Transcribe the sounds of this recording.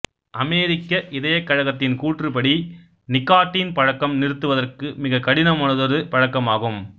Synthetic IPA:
ʔɐmeːɾɪkːɐʔɪðɐjɐkːɐɻɐɣɐt̪ːɪnkuːʈrɯpɐɽi | nɪkːaːʈːinpɐɻɐkːɐmnɪɾɯt̪ːɯʋɐðɐrkɯmɪɣɐkɐɽɪnɐmʊnɐðɐɾɯpɐɻɐkːɐmaːɣɯm

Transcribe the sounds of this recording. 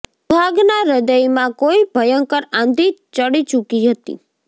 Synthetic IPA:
bʱaɡnaɾəd̪əjmãkoibʱəjəŋkəɾãnd̪ʱit͡ʃəɽit͡ʃukiɦət̪ḭ

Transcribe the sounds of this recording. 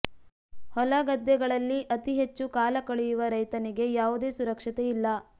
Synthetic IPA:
hɔlɐɡɐd̪jɛɡɐɭɐlːiʔɐt̪iɦet͡ʃːukaːlɐkɐɭujuʋɐɾɐjt̪ɐniɡe̞jaːʋud̪e̞ːsuɾɐkʂɐt̪eilːɐ

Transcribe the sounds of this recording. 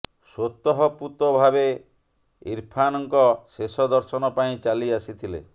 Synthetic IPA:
swot̪ːɔɦɔput̪ɔbʱabe | iɾpʰanɔŋkɔsesɔd̪ɔɾsɔnɔpaĩt͡ʃaliasit̪ʰilḛ

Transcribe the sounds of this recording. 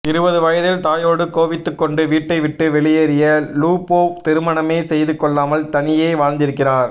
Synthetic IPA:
ɪɾɯbɐðɯʋɐjɐðɪlt̪aːjoːɽɯkoːʋɪt̪ːɯkːɔɳɖɯʋiːʈːɐɪʋɪʈːɯʋɛɭɪjɐɾɪjɐluːpoːft̪ɪɾɯmɐɳɐmeːsɛjðɯkːɔɭːaːmɐlt̪ɐnɪjeːʋaːɻnd̪ɪɾɯkːɪraːɾ

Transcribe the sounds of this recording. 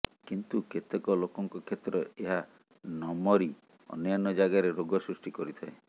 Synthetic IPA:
kint̪uket̪ekɔlokɔŋkɔkʰet̪ɾɔeɦa | nɔmɔɾi | ɔ̰njanɔd͡ʒaɡaɾeɾoɡɔsɾusʈikɔɾit̪ʰae

